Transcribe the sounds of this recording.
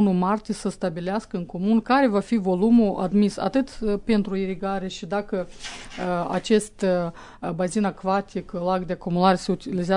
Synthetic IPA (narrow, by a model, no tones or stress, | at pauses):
numart̪ʲesəst̪abileaskəɨŋko̞munkaɾe̞vafivo̞lumuʔa̰d̪misa̰t̪ɨt̪pe̞nt̪ɾuiɾiɡaɾe̞ʃid̪akə | a̰t͡ʃe̞st̪ | bazinakvat̪iklaɡd̪eakumulaɾese̞ut̪ilizea